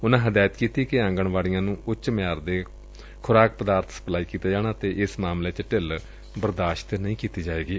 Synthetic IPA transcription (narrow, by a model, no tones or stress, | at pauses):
ʊnãːɦəd̪aːjət̪kiːt̪iːkɪãːŋɡəɳʋaːɽijãːnũːʊt͡ʃmɪjaːɾd̪eː | kʰʊɾaːk̚pəd̪aːɾt̪ʰsə̥plaːiːkiːt̪aːd͡ʒaːɽ̃aːt̪eːʔɪsmaːmleːt͡ʃəʈɪl | bəɾd̪aːʃt̪nəĩːkiːt̪iːd͡ʒaːeːɡiː